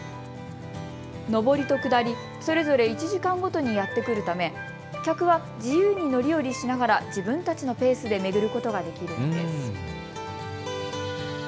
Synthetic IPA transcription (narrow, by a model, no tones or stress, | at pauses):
no̞bo̞ɾʲit̪o̞kɯ̟d̪aɾʲi | so̞ɾe̞zo̞ɾe̞it͡ɕiʑikãŋɡo̞t̪o̞ɲ̟ijat̪ːe̞kɯ̟ɾɯ̟t̪ame̞ | kʲakɯ̟βa | d͡ʑijɯːɲ̟ino̞ɾʲijo̞ɾʲiɕinaɡaɾad͡ʑibɯ̟̃nt̪at͡ɕino̞pe̞ːsɨd̪e̞me̞ɡɯ̟ɾɯ̟ko̞t̪o̞ɡad̪e̞kʲiɾɯ̟nod̪e̞sɨ